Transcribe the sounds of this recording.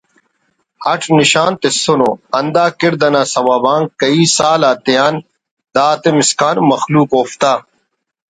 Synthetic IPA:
hɐʈʰniɕaːnt̪esonoɐnd̪aːkiɾd̪ɐnaːsɐwaːbãːŋɡkɐiːsaːlaːt̪ijaːn | d̪aːt̪emiskaːnmɐxluːkoːft̪aː

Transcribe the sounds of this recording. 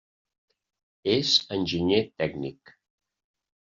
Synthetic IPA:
ezənʲʒiɲet̪ɛɡnik

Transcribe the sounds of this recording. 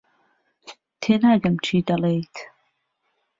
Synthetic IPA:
t̪ʰeːnaːɡɐmt͡ʃʰiːd̪ɐlejt̪

